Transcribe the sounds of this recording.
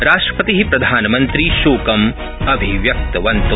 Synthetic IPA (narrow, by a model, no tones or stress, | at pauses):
ɾaːʂʈɾɐ̥pɐt̪iɦipɾɐd̪ʱaːnɐmɐnt̪ɾiʃuːkɐm | ɐbʱiʋjɐk̚t̪ɐʋɐnt̪u